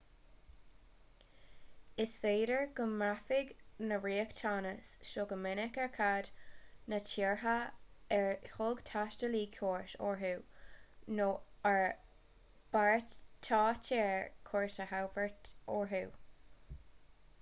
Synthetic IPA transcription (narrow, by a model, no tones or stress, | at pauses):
ɪsfeːdəɹɡəmafɪɡnəɹiːəktʰanəsʃoɡəmɪnɪkɛɹkʰadnət͡ʃʰiːɹɦaɛɹhʊɡt̪ʰaʃtəliːkʰjoːɹtoɹɦuː | noəɹ | b̥aɹtʰɑːt͡ʃʰɛːɹkʰɔɹtəhawbəɹtɔɹɦuː